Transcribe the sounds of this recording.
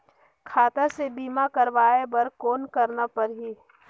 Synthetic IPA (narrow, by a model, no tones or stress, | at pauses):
kʰaːt̪asebiːmakəɾʋaːebɐɾkoːnkɐɾnapɐɾɦiː